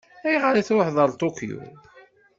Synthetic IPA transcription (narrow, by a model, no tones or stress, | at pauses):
æjʁəɾiθwaħðˤəɾˤt̪ˤukjṵ